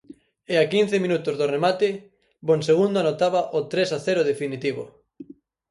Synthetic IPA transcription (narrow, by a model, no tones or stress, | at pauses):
eakin̟θemĩnut̪ʊzðoremat̪ɪ | bonseɣ̞und̪ʊanot̪aβaʔot̪ɾesaθɛɾʊð̞efinit̪iβo̰